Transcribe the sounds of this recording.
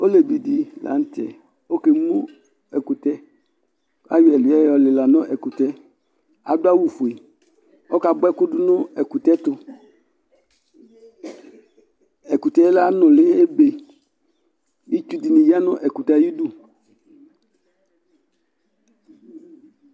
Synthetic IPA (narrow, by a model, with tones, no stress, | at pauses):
o˦le˨bi˨di˨la̰˨˦n˦tɛ̰˨ | o˦ke˨mu˦ | ɛ˨kʊ˨tɛ˦ | a̰˦jɛ˨lʊ˨ɛ˦ɔ˨lɪ˨la˨nʊ˦ʔɛ˨kʊ˨tɛ˦ | a̰˨dʊ˦a˦wu˨fu˨i˨ | ɔ˦ka˨bɛ˦kʊ˦dʊ˦nʊ˦ɛ˨ku˨tɛ˦tʊ˨ | ɛ˨ku˨tɛ˦la˦nʊ˨lɪ˦e˦be˨ | ji˦t͡ʃu˦di˨ni˨ja˦nʊ˦ʔɛ˨kʊ˨ta˨˦ji˦du˦